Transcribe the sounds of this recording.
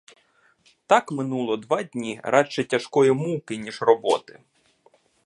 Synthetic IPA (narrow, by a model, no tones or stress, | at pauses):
t̪ɑkmɪnulˠɔd̪ʋɑdʲnʲiɾʔɑt͡ʃɛtʲɐʃkɔjimuwkɪnʲiʒrɔbɔt̪ɪ